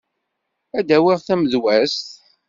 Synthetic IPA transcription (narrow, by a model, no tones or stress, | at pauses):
æd̪æwiʁθæməðwæst̪